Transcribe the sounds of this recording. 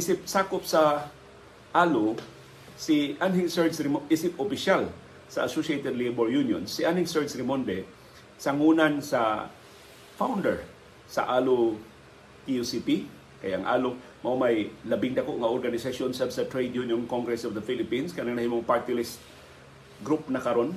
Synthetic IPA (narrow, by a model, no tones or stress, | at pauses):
ʔɪsɪp̚saːkopsa | ʔaːlʊ | siʔanhɪŋsɛɹsɾɪmʔɪsɪpopɪʃal | sɐʔasoʃiet̪ɛd̪liboɹjunjo̰nsːiʔanhɪŋsɛɹsɾɪmond̪ɛ | sɐŋunansa | fawnd̪ɛɹ | sɐ̰ʔaːlʊ | t̪iusipi | kɐja̰ʔɐŋʔa̰ːlo | mɐmajlɐbɪŋd̪ɐkoʔŋɐʔoɾɡanɪsɐʃonsabsɐt̪ɹejd̪junjonkoŋɡɾɛsɔvd̪ɐfilɪpinskanɐnahimoŋpaɹt̪ɪlɪst̪̚ | ɡɾup̚nɐkɐɾo̞n